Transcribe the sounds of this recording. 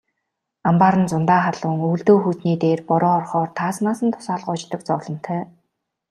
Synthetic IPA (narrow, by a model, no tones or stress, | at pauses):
ampaːɾə̆nt͡sʊnt̪aːχaɮʊːŋuːɮt̪oːxuːt̪niːt̪eːrpɔɾɔːɔrχɔːrt̪ʰaːsmaːsə̆nt̪ʰʊ̥saːɮɢʊːt͡ɕt̪ə̆k̚t͡sɔːɮɞ̆m̥t̪ʰœː